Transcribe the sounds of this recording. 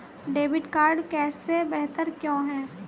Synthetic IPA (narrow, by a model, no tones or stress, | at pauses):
ɖeːʋɪɖkaːɾɖkɛːsebɛɦt̪əɾkjõːɦɛ̃ː